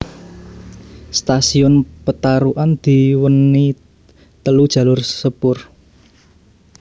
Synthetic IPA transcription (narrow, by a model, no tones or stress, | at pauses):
st̪asiɔnpət̪aɾuʔand̪̥i̤wənːi | t̪əlud̥ʒ̥ä̤lʊrsəpʊr